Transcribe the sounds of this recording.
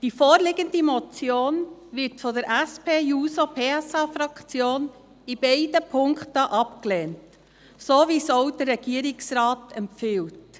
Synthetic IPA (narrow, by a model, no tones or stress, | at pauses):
d̥ifoːɾlɪɡəndimɔt͡sjoːnʋɪɾtfɔdəɾʔæspʰeːjuːsopʰeːɛsɑːfɾɑkt͡sjoːn | ib̥ɛɪdəpʰʊŋktəʔɑpklɛːnt | soːʋisoʊd̥əɾːɛɡ̥iəɾɪksɾɑːtɛmfɪwt